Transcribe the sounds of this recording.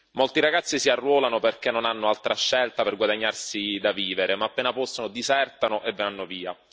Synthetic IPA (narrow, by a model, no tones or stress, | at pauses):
molt̪iɾaɡat̪sːisiarːwɔːlanoperk̟enːonanːoalt̪ɾʔaʃːɛlt̪aperɡwad̪aɲːarsid̪aviːveɾemaːpːeːnapɔst̪onod̪izɛrt̪anoʔevːeanːoviːa̰